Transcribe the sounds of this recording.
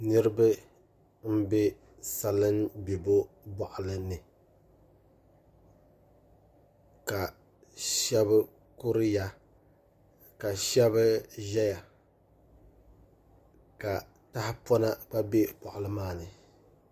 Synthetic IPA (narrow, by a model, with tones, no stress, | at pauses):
nɨ˦ɾɨ˦bɨ˦ | m̩˦be˦ | sa˨lɨ˦nbe˨bo˦ | bɔ˨ʔʊ˨lɨ˦nɨ˨ | ka˨ | ʃɛ˦bɨ˦ | ku˦ɾɨ˦ja˦ | ka˨ʃɛ˦βɨ˦ʒɛ˦ja˨ | ka˨ | ta˦hɪ˦pɔ˦na˦k͡pa˦be˦pɔ˨ʔʊ˨lɨ˦maː˦˨nɨ˨